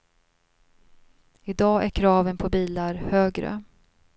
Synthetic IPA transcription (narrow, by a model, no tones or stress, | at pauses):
ɪd̪ɑːæɾkʰɾɑːvənpʰɔbiːlaɾhøːɡɾə̰